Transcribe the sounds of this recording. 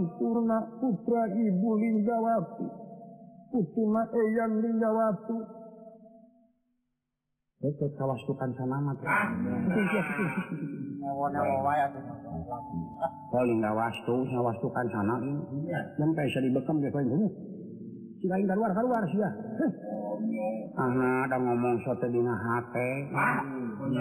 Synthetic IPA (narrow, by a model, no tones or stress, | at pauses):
mpurnaput̪ɾaibuliŋɡawat̪u | put̪unaʔɛjaŋliŋɡawat̪u | ɛkɛt̪̚kawast̪ukansanamat̪put̪uŋsiaput̪uŋsit̪iŋawɔnɛɔwajat̪uaa | kɔliŋɡawast̪usiawast̪ukansana | jampɛsadibəkəmɡɛkoint̪uɲi | sikaiŋkaɾuarkaɾuarsia | ahnadaŋɔmɔŋsɔt̪ɛdiŋaɦapɛ